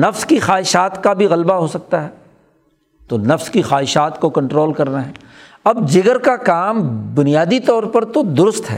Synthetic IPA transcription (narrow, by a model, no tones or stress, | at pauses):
nɐfskixaːɦɪʃaːt̪kabʱiɣɐlbaɦoːsɐk̚t̪aɦɛː | t̪onɐfskixaːɦɪʃaːt̪kokɐ̃ɳʈɾoːlkɐɾnaɦɛː | ɐbd͡ʒɪɡəɾkakaːmbʊnijaːd̪it̪ɔːɾpɐɾt̪od̪ʊɾʊst̪ɦɛ̰ː